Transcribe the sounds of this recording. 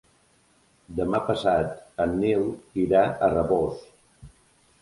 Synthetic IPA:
d̪əmapəsat̪ənːewiɾaərəβos

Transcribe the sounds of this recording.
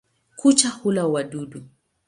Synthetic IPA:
kʰut͡ʃahulawaɗuɗu

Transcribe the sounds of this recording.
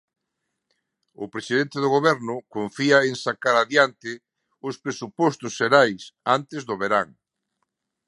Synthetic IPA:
ʊ̰pɾesiðent̪eðʊɣ̞oβɛɾnʊkoɱfiaeŋsakaɾaðjant̪ɪ | ʊspɾesupɔst̪ʊsʃeɾajsant̪ɪzðʊβeɾaŋ

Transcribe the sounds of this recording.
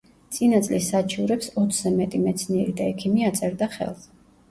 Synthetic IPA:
t̪sʼinat̪sʼlisːat͡ʃʰuɾɛpsɔt̪sʰzɛmɛt̪ʼimɛt̪sʰniɛɾid̪aɛkʰimiat̪sʼɛɾd̪aχɛ̰lˠz

